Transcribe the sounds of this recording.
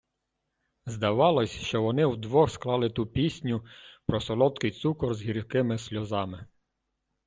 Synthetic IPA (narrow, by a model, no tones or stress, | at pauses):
zd̪ɐʋɑlˠɔsʲʃt͡ʃɔʋɔnɪwd̪ʋɔxsklˠɑlˠɪt̪upʲisʲnʲʊpɾɔsɔlˠɔt̪kɪjt̪sukɔrzɦiɾʲkɪmɪsʲlʲɔzɑmɪ